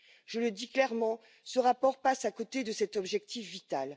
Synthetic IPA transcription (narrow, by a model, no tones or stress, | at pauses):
ʒ̥ələd̪iklɛʁmɑ̃ | səʁapɔʁpasakot̪ed̪əsɛt̪ɔbʒɛk̚t̪ifvit̪al